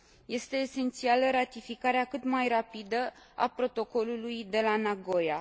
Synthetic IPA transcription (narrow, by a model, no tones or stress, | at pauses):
je̞st̪e̞ːse̞nt̪sialəɾat̪ifikaɾeakɨt̪majrapid̪ə | a̰pɾo̞t̪o̞ko̞lulujd̪e̞lanaɡo̞ja